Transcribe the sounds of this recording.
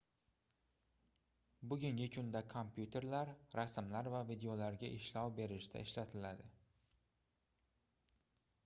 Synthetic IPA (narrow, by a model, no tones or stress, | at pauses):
bʊɡʲɪŋɡʲɪkʰʊnd̪akʰompʰjut̪ʰe̞ɾlaɾɾasmlaɾvavid̪e̞olaɾɡʲaʔɪʃlɒwbe̞ɾɪʃd̪ʰa̰ɪʃlat̪ʰɪlad̪ɪ